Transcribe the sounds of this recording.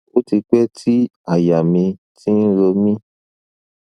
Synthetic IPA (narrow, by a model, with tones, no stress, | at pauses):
o˦ti˧k͡pɛ˦tʰi˦a˦˨ja˨mĩ˧ | tĩ˦n̩˦ɾo˧mĩ˦